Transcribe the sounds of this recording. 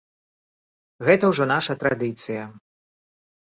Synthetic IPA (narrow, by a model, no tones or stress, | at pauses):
ɣɛt̪ɐwʐɔnaʂɐt̪ɾad̪ɨt̪sɨjɐ